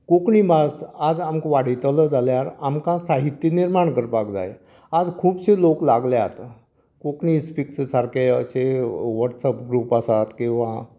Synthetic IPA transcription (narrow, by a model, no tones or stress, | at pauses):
kokɳiːbasad͡zamkʋaɽ̤it̪ləd͡zaljaɾamkãsaɦit̪ːjiniɾmaɳkəɾpakd͡za̰je | ad͡zkʰuːbɕelokla̰ɡljaat̪a | kokɳispikssaɾkeəɕeʋəɾʈsəpɡɾupasat̪kĩw̃ʋa